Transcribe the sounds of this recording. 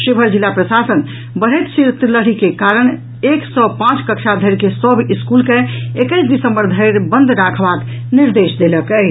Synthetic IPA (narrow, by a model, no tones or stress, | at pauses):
ʃebʱəɾd͡ʒilːapɾəsasən | bəɽ̤əjt̪siɾt̪ləɽikekaɾəɽ̃ | eksəpãt͡ʃkəkt͡ʃʰad̪ʱəɪɾkesəbʱiskulkeekəjsd̪isəmbəɾd̪ʱəɪɾbənd̪ʱɾakʰbad̪ | niɾd̪esd̪eləkə